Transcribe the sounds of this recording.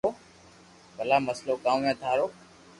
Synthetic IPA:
oː | kəlaːməsloːkãːmːẽːt̪ʰaːɾoː

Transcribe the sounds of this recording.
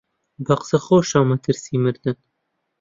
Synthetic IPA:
bɐqsɐχoːʃɑːmɐt̪ʰɨɾsiːmɨɾd̪ɨn

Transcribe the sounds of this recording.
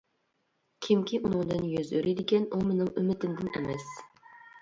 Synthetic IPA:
kʲʰɪmkʲʰiʔunɨŋd̪ɨnjøzøɾʔid̪ɪkʲɛnumenɪŋymɪt̪ʰɪmd̪ɪnɛ̰mɛs

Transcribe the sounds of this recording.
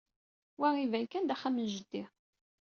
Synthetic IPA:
wæʁivæjkænd̪æχːæmənʒəd̪ːi

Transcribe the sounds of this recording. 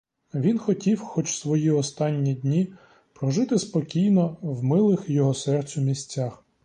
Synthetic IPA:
ʋʲinxɔtʲiwxɔt͡ʃsʋɔjiɔst̪ɑnʲːidʲnʲi | pɾɔʒɪt̪ɪspɔkʲijnɔwmɪlˠɪxjɔɦɔsɛrt͡sʲʊmʲisʲt͡sʲːax

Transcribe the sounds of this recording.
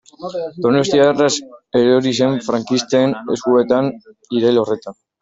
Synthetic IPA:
d̪o̞ne̞st̪iareseɾeoɾise̞ɱfɾaŋkist̪eːnḛskue̞t̪aniɾejlo̞re̞t̪an

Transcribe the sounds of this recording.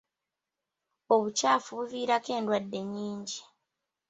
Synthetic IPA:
o̞βucaːfuβuviːɾake̞ːndwadːe̞ɲiːɲɟi

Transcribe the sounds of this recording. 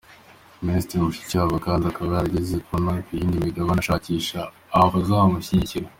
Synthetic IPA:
ministɾɾimuʃi̥caβakaːndiakaβahaaɟezekonaːfijiːndimiɡaβanaʃaːciːʃaː | βazahamuɕiɟiciɾa

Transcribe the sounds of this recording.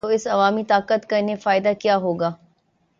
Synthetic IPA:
oɪsɐʋaːmit̪aːkət̪kaɪnefaːɪd̪akijaɦoːɡaː

